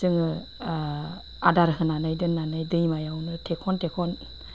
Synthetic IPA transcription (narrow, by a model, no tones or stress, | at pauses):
zɯŋɯ | adaɾɦɯnanɯjdɯnːanɯjdɯjmajawnɯtʰekʰɔntʰekʰɔn